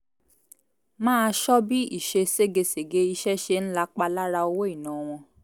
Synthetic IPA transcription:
mãː˦˧ʃɔ˦bi˦i˦˨ʃe˧se˦ɡe˧se˨ɡe˨˦i˧ʃɛ˦ʃe˧n̩˦la˦k͡pa˧la˦ɾa˧o˧wo˦i˦˨nãː˨˦w̃ɔ̃˧

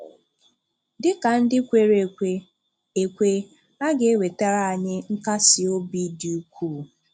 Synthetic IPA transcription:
dɪ˦ka˨n̩˦dɪ˦kʷe˨ɾe˨kʷe˦ | e˨kʷe˦ | a˦ɡe˨˦we˨ta˦ɾa˦˨a˨ɲɪ˦ŋ̩˦ka˦sɪ˨o˦bi˦di˨u˦kʷʰu˦˨

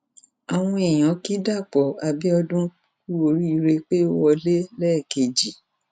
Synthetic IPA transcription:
a˨w̃ɔ̃˧e˨j̃ã˨˦ki˦da˦˨k͡pɔ˨a˨bi˦ɔ˧dũ˦ku˦o˧˦ɾi˦i˧ɾe˧k͡pe˦o˦wɔ˧le˦lɛː˦˨ke˨d͡ʒi˨

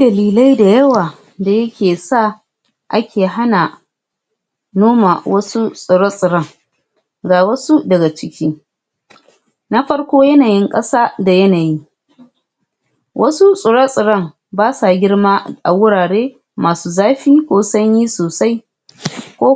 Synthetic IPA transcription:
dɐ˨liː˨la˦jda˨jɐ˦waː˨ | da˨jɐ˦kʲeː˨sa˦˨ | ʔa˦kʲʰeː˨ɦa˦na˨ | noː˦ma˨wɐ˦su˦sʼʊ˨ɽɐ˦sʼɪ˨ɽɐ˦˨ŋ | ɡaː˨wɐ˦su˦dɐ˨ɡa˨t͡ʃɪ˦kʲiː˦ | na˦ɸɐ˦ɽkʷoː˦jɐ˦naː˨jɪ˦ŋkʼɐ˦saː˦da˨jɐ˦naː˨ji˦ | wʔɐ˦su˦sʼʊ˨ɽɐ˦sʼɪ˨ɽɐ˦˨ŋ | baː˦sa˨ɡʲɪ˦ɽmaː˦ʔa˨wʊ˦ɽaː˨ɽeː˦ | maː˨suː˦zaː˦ɸiː˦kʷoː˦sɐ˦ɲjiː˦soː˨sa˦j | kʷoː˦

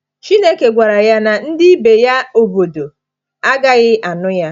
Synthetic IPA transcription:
t͡ʃi˦ne˦ke˨ɡʷa˨ɾa˨ja˦na˨n̩˦dɪ˦be˨ja˦o˨bo˨do˨ | a˦ɡa˦ɣɪ˦ʔa˨nʊ˦ja˦

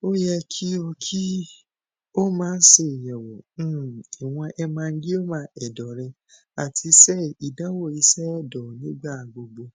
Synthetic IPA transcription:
o˦jɛ˧kʰi˦o˧kʰi˦ | o˦mãː˨˦n̩˦se˦˨jɛ˨wɔ̃˨˦˨i˨w̃ɔ̃˧ʔɛ˧mãː˧n̩˦ɡi˦o˦mã˧˦ɛ˨dɔ˨ɾɛ˧ | a̰˨tʰi˨˧sɛ˦˨i˨dã˦wo˦˨i˧sɛ˦ɛ˦˨dɔ˨nĩ˦ɡ͡ba˦˨ɡ͡bo˨ɡ͡bo˧

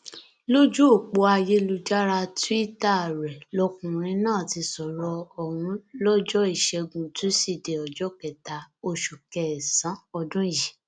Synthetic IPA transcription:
lo˦d͡ʒu˦o˦˨k͡po˧a˧je˦lu˧d͡ʒa˦ɾa˧tu˦i˦ta˦˨ɾɛ˨lɔ˧kũ˨ɾ̃ĩ˧˦nãː˦˨ti˧sɔ˨ɾɔ˧ɔ˨wũ˧˦lɔ˦d͡ʒɔ˦i˦˨ʃɛ˧ɡũ˨tũ˦si˦˨de˨ɔ˨d͡ʒɔ˦kɛ˨ta˨o˧ʃu˨kɛ˨sã˨˦ɔ˧dũ˦˨ji˨

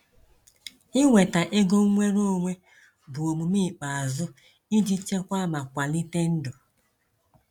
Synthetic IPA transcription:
ɪ˦ŋʷe˨ta˨ʔe˦ɡo˦ŋ˦ŋʷe˦ɾo˦˨ŋʷe˦ | bʊ˨o˨mu˨mi˦˨k͡pa˨a˨zʊ˦ | i˦d͡ʒi˦t͡ʃe˦kʷa˦ma˨kʷa˨li˦te˦n̩˦dʊ˨

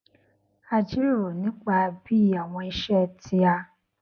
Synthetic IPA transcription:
a˧d͡ʒi˦ɾo˨nĩ˨˦k͡pa˧bi˦˨a˨w̃ɔ̃˧i˧ʃɛ˦˨tʰi˧a˧

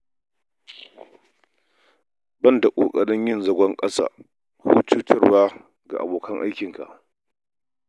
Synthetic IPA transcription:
bɐ˦˨nda˨kʷʼoː˨kʼɐ˨ɽɪ˦ɲjɪ˦nzɐ˨ɡʷɐ˦ŋkʼɐ˦sa̰ː˨ | hṵː˦tuː˦tɐ˦rwaː˦ | ɡa̰˨ʔa̰˨boː˨kɐ˦ŋʔa̰˦jkʲɪ˨ŋka̰˨ʔ

